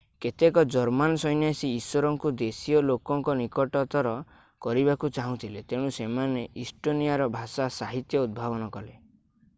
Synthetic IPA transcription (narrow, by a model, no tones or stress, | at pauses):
ket̪ekɔd͡ʒɔɾmanɔsɔjnjasiːswɔɾɔŋkud̪esiɔlokɔŋkɔnikɔʈɔt̪ɔɾɔ | kɔɾiβakut͡ʃaɦũt̪ʰilet̪eɽ̃ũsemaneʔisʈonijaɾɔbʱasasaɦit̪jɔud̪̚bʱabɔnɔkɔle